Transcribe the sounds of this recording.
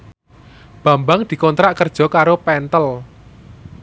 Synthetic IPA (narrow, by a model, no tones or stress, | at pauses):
b̥ä̤mbaŋd̪̥i̤kɔnt̪ɾaʔkərd̥ʒ̥ɔ̤kaɾopɛnt̪əl